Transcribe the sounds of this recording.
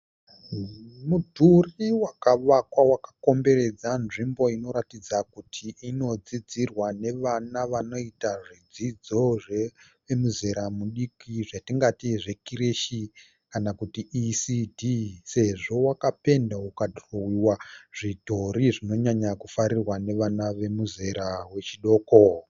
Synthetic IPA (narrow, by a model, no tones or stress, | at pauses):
mudʱuriwakaʋakwawakḁko̞mbe̞ɾe̞d͡zanʐimbo̞ino̞ɾatid͡zakutʰiʔino̞d͡zid͡zirwane̞ʋanaʋano̞itaʐid͡zid͡zo̞ʐe | ʋemuze̞ɾamuɗikiʐatiŋɡatiʐe̞kiɾeʃi | kanakutiːsidʱise̞ʐo̞wakape̞ndaukatrowiwaʐ̥ito̞ɾiʐino̞ɲaɲakufaɾirwane̞ʋanaʋe̞muze̞ɾawe̞t͡ʃiɗo̞ːko̞